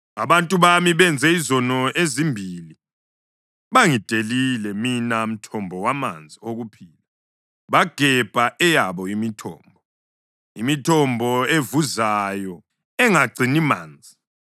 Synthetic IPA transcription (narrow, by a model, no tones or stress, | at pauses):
aβantʼuβamiβɛnd͡zʱɛizɔnɔʔezimbʱili | βaŋid̥ʱelilɛminam̩tʰɔmbʱɔwamand͡zʱioɣupʰiːla | βaɡ̥ʱɛb̥ʱaʔɛjaβɔimitʰɔ̰ːmbʱɔ | imitʰɔmbʱɔevuzajɔ | ɛŋaɡ͡ǀʱinima̰ːnd͡zʱi